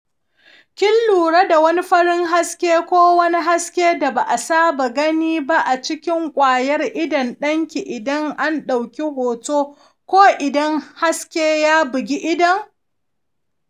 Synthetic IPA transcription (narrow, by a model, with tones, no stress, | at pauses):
kʲɪ˦lːuː˨ɽa˦da˨wɐ˦ni˦ɸɐ˦ɾɪ˦ŋɦa˦skʲeː˦kʷoː˦wɐ˦ni˦ɦa˦skʲeː˦da˨ba˨ʔa˨saː˦ba˨ɡɐ˦niː˦ba˦ʔa˨t͡ʃɪ˦kʲɪ˦ŋkʷʼaː˨jɐ˦rʔɪ˦dɐ˨nɗɐ˦ŋkʲi˨ʔɪ˨dɐ˦ŋʔa˦nɗa˨wkʲi˦ɦoː˨toː˦ | kʷoː˦ʔɪ˨dɐ˦ŋha˦skʲeː˦jaː˦bɪ˨ɡʲi˦ʔɪ˦dɐ˦ŋ